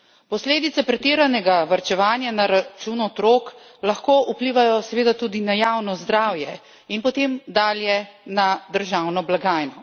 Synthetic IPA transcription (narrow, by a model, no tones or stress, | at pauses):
pɔsleːd̪it̪sɛpɾɛt̪eːɾanɛɡaʋaɾt͡ʃɛʋaːnjanaɾat͡ʃunɔɔt̪ɾoːk | laxkoːʔupliːʋajɔsɛʋeːd̪at̪uːd̪inajaːwnɔzd̪ɾaːwjɛ | inpɔt̪eːmd̪aːljɛnad̪əɾʒaːwnɔblaɡaːjnɔ